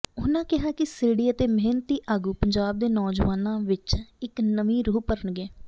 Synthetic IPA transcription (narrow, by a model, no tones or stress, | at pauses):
ʊnãːkɪɦaːkɪseːɽiːət̪eːmɛɦnət̪iːʔaːɡuːpəɲd͡ʒaːb̚d̪eːnɔːd͡ʒʋaːnãːʋɪt͡ʃɪknəʋĩːɾuːpəɾʊnɡɛː